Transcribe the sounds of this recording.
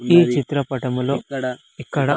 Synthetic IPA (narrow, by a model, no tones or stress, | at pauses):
iːt͡ʃit̪ɾɐpɐʈɐmulo̞ː | ikːɐɽɐ